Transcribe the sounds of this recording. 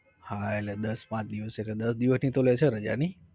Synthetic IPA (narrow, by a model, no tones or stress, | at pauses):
haelled̪əspãt͡ʃd̪iʋəsekled̪əsd̪iʋəsnit̪olət͡ʃʰeɾəd͡ʒa̰ni